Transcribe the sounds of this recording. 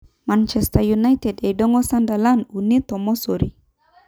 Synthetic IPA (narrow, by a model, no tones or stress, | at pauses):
mant͡ʃɛst̪ajunajt̪ɛdejdɔŋɔsandalanunit̪ɔmɔsoɾi